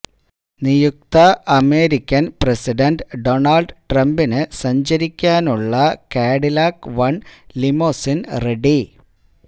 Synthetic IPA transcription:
nijuk̚t̪ɐɐme̞ːɾikʲːɐnpresiɖɐnɖɖonɐlɖʈrɐmbinɨsɐɲd͡ʑɐɾikʲːaːnuɭːɐkeːɽilaːkʋɐɳlimoːsinreɖi

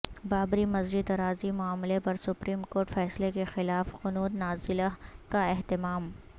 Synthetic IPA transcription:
baːbɾimɐzɾid̪ɐɾaːzimʊaːmlepɐɾsʊpɾiːmkoːɾʈfɛːslekexɪlaːfqʊnuːd̪naːzɪlakaɪɦt̪ɪmaːm

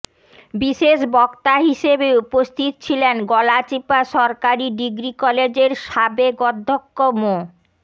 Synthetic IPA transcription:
biʃeʃbɔkt̪aɦiʃebeupost̪ʰit̪ot͡ɕʰilenɡɔlat͡ɕipaʃɔɾkaɾiɖiɡɾikɔled͡ʑeɾʃabekɔd̪ʱːokːomo

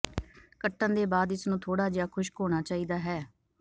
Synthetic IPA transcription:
kəʈːənd̪eːbaːd̪ɪsnũːt̪ʰoːɽaːd͡ʒjaːkʰʊʃkoːɽ̃aːt͡ʃaːiːd̪aːɦɛː

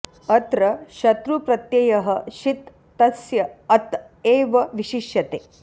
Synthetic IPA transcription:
ɐt̪ɾɐʃɐt̪ɾupɾɐt̪jejɐɦɐʃit̪ː | ɐsjɐɐt̪ | eːʋɐʋiʃiʃjɐt̪eː

